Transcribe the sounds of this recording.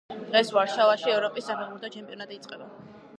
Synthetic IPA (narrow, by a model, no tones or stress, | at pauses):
d̪̥ʁɛsvaɾʃavaʃiɛvɾɔpʼisːapʰɛʁuɾt̪ʰat͡ʃʰɛmpʼiɔnat̪ʼiːt̪sʼqʼɛba